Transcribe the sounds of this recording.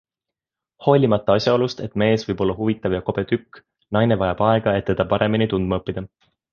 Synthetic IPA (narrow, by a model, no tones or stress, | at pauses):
ho̞lʲimɑt̪ˑːɑɑsʲjɑo̞lust̪e̞t̪ːme̞ːsv̥ɤjb̥o̞lːɑɦuvit̪ːˑɑvjɑko̞b̥e̞t̪ykː | nɑjne̞vɑjɑb̥ɑe̞ɡ̥ɑe̞t̪ːe̞d̪̥ɑpɑɾe̞minit̪und̪mɑɤpːid̪̥ɑ